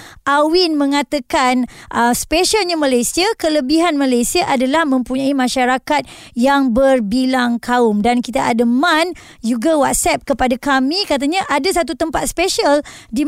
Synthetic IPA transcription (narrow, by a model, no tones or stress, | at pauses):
ʔawinmə̃ŋãt̪akanʔəspeʃalɲamalajsiakələbiɦanmãlajsiaʔadalahmə̃mpuɲãimãʃaɾakat̪̚ | jaŋbərbilaŋkʰaʊmdankit̪aʔadamãn | d͡ʒuɡawat̪̚sɛp̚kəpadakamĩkat̪̬aɲaʔadas̬at̪̬ut̪əmpat̪̚speʃəldi